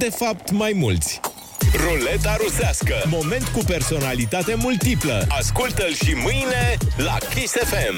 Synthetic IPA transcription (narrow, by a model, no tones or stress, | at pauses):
d̪e̞fapt̪majmult̪sʲ | role̞t̪aɾusaskəmo̞me̞nt̪kupe̞rso̞nalit̪at̪e̞mult̪ipləaskult̪əlʃimɨjne̞la̰kisefem